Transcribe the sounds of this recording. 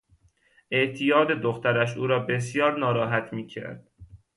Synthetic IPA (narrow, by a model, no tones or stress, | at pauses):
ʔe̞ʔt̪ʰijɒːd̪e̞d̪oxt̪æɾæʃ̬ʔuːɾɒːbe̞s̬jɒːɾnɒːɾɒːɦæt̪ʰmiːcʰæ̰ɾd̪̥